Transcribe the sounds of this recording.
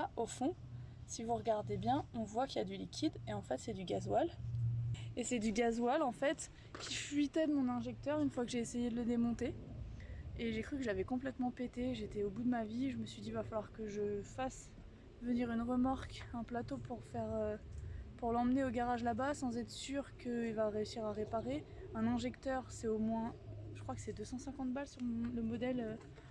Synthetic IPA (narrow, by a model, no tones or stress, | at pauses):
aofɔ̃sivuʁəɡaʁd̪ebjɛ̃ɔ̃vwakʲiljad̪ylikʲʰid̪eɑ̃fɛt̪sɛd̪yɡazwal | esɛd̪yɡazwalɑ̃fɛt̪ | kʲifɥit̪ɛd̪əmɔ̃nɛ̃ʒɛk̚t̪œʁynfwakəʒeːsejed̪ələd̪emɔ̃t̪e | eʒekχykəʒavɛkɔ̃plɛt̪mɑ̃pet̪eʒet̪ɛobud̪əmaviʒəməsɥid̪ivafalwaʁkəʒəfas | vəniʁynʁəmaʁkɛ̃plat̪opʰuʁfɛʁøpuʁlɑ̃mneoɡaʁaʒlabasɑ̃zɛt̪χsyʁkʰəilvaʁeysiʁaʁepaʁeɛ̃nɛ̃ʒɛkt̪œʁsɛomwɛ̃ʒəkχwakə̥sɛd̪øsɑ̃sɛ̃kɑ̃t̪balsyʁmɔ̃ləmɔd̪ɛlø